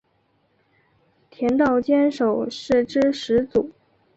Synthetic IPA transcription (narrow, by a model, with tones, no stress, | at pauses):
t̪ʰjɛ˧˥nt̪ɑ˥˩ʊt͡ɕjɛ˥nʂo˨˩ʊʂɻ̩˥˩ʈ͡ʂɻ̩˥ʂɻ̩˧˥t͡su˨˩˦